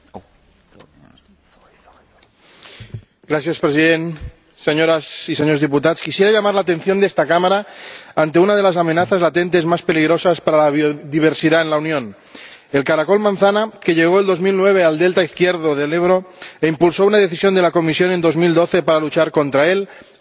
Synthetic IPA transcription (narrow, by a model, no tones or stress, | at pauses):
ɡ̥ɾaθjaspɾesiðen | seɲoɾasis̬eɲoɾzðiput̪at̪skisjeɾaʎamaɾlat̪ẽ̞nθjo̞nd̪est̪akamaɾaant̪e̞unað̞e̞las̬amenaθazlat̪e̞nt̪ezmaspeliɣ̞ɾosaspaɾalaβioðiβ̞eɾsiðaenlaunjõn | elkaɾako̞lmãnθanakeʎeɣ̞oeld̪o̞zmilnweβ̞eald̪elt̪aiθkjeɾðoðeleβɾoimpulsounaðeθisjo̞nd̪elakomisjo̞ne̞nd̪o̞zmild̪oθepaɾalut͡ʃaɾko̞nt̪ɾael